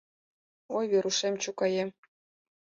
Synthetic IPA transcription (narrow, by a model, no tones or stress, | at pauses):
ojβeɾuʃemt͡ɕukɑjem